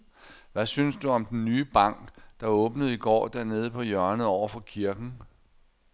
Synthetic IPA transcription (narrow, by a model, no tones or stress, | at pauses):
ʋæsynsd̥uɒ̽md̥enːyːb̥ɑ̈ŋ̰ɡ̥d̥ɑ̈ɔ̽ːb̥nəð̞̩ˠiɡ̥ɒ̰ːd̥æɐne̝ːð̞̩ˠəpʰɒ̽jɶɐnəð̩ˠɒʊɐfɒ̽kʰiɐɡ̥n̩